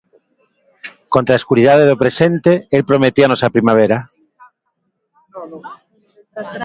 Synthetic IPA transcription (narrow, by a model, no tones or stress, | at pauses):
kont̪ɾaeskuɾiðaðeðopɾesent̪eelpɾomet̪ianosapɾimaβ̞eɾa